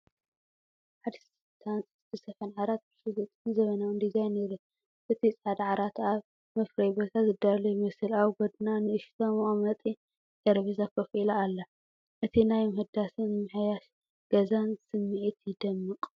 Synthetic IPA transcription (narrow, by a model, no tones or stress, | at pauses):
ħad̪s | t̪ʰant͡sʼst̪ʰɨsɐfɐnʕaɾat̪̚bɨsɨlut̪ʼɨnzɐβɐnɐwɨnd̪izajneɾɨ | ʔɨt̪ʰit͡sʼħad̪ʕaɾat̪aβ | mɐfɾɐjbot̪ʰazɨd̪alɐjɪmɐsɨlawɡɔd̪nanɨɨʃt̪ʰomʔomɐt̪ʼi | d̪ɐɾβizakʰɐfʔilaːlːɐ | ʔɨt̪ʰinajmɐhɨd̪asɨnmɨħjaʃ | ɡ̥ɐzansɨmːiʔit̪jɪd̪ɐmːɨqʼ